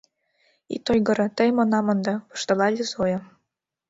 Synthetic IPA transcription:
ḭt̪ojɡɤ̆ɾɤ̆t̪əjmɤ̆nɑmɤ̆nd̪ɑ̆pɤ̥ʃt̪ɤ̆lɑlʲizojɤ̆

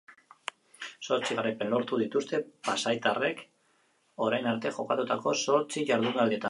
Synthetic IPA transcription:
so̞ɾt͡siɣaɾajpe̞nlo̞ɾt̪uðit̪ust̪e̞pasajt̪are̞k | o̞ɾajnaɾt̪e̞ʝo̞kat̪ut̪ako̞so̞ɾt͡siʝaɾðuŋɡald̪ie̞t̪a

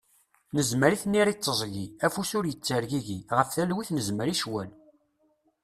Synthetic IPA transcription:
nəzməɾiθnːiɾit͡sːəzˤʝiæfusʊɾjət͡sːəɾʝiʝiʁəfθælwiθnəzməɾiʃwæl

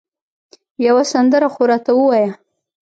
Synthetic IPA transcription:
jawasand̪əɾaxoɾɑt̪awəwɑja

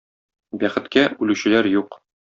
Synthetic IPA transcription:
bæχɘ̆t̪kæʉlʉɕɘ̆læɾjuq

